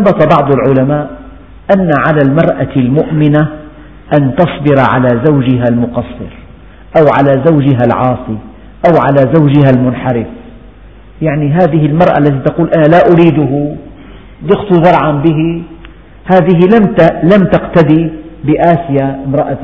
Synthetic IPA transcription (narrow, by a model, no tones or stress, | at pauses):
bɑt̪ˤɑbɑʕd̪ˤʊlʕʊlamaːʔ | ʔanːaʕalalmɑɾˤʔalmʊʔmɪna | ʔant̪ɑsˤbɪɾʕa̰lazawd͡ʒɪɦalmʊqɑsˤːɨ̰ɾ | ʔawʕalaːzawd͡ʒɪɦalʕɑːsˤi | ʔawʕalazawd͡ʒɪɦalmʊnħɑɾɪf | jaʕniɦaːðɪɦɪlmɑɾˤʔa̰ʔlːat̪it̪ɑquːlʔanalaʔʊɾiːd̪ʊɦʊ | d̪ɪqt̪ʊzɑɾˤʕambɪɦi | haːðɪɦɪlamlamt̪aqt̪ad̪ibɪʔaːsɪjamɾˤɑʔa